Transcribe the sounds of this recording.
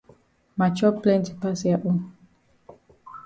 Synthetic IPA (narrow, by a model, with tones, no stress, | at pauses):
ma˨t͡ʃɔ˦plɛ̃˦nti˨pa˦sa˦ʔu˦n